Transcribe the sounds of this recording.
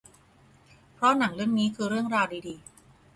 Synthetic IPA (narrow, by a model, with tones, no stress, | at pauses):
pʰɾɔ˦˥na˩˦ŋɾɯ˥˩əŋniː˦˥kʰɯː˧ɾɯ˥˩əŋɾaː˧wdiː˧diː˧